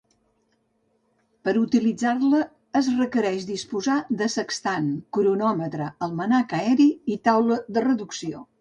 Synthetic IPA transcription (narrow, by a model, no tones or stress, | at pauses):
pəɾut̪ilid͡zarləː | zrəkəɾɛʃd̪ispuzaðəsəkst̪ankuɾunɔmət̪ɾəəlˠmənakəɛɾiit̪awləðərəðuksio